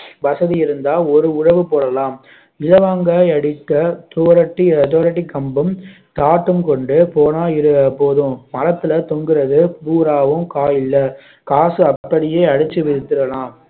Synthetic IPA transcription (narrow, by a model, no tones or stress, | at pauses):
ʋɐsɐðijɪɾɯnd̪aːlɔɾɯʊɻɐʋɯpoːɽɐlaːm | ɪlɐʋaːŋɡɐɐɽɪt̪ːɐt̪oːɾɐʈːit̪oːɾɐʈːikːɐmbɯm | t̪aːʈːɯmkɔɳɖɯpoːnaːjɪɾɯɐpoːðɯ̃mɐɾɐt̪ːɯlɐt̪ɔŋɡɪɾɐðɯpuːɾaːʋɯ̃mkaːjɪlːɐ | kaːsɯɐpːɐɽɪjeːɐɽɯt͡ʃːɯʋɪɾɯt̪ːɯɾɐlãːm